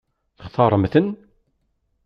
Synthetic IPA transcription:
θəχθɑɾˤəmθən

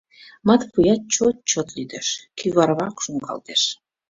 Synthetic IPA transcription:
mɑt̪pujɑt̪̚t͡ɕot̪̚t͡ɕot̪lyd̪eʃkyβɑɾβɑkʃuŋkɑ̰lt̪eʃ

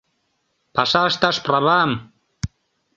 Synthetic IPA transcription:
pasaʃt̪aʃpɾaβam

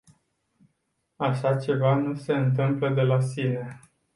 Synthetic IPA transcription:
aʃat͡ʃe̞vanuse̞ɨnt̪ɨmpləd̪e̞lasine̞

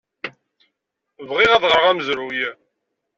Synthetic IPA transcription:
vʁiʁæðʁəɾʁæməzɾujæ

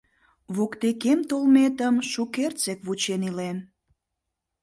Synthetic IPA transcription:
βokt̪ekemt̪olmet̪əmʃukert͡sekβut͡ɕenilen

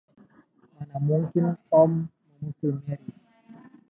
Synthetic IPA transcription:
manamuŋkinɔmː | amusumɛi

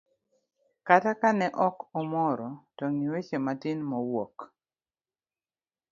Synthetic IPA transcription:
katakanɛʔɔkɔmɔɾɔtɔŋiwet͡ʃematinmɔwɔk

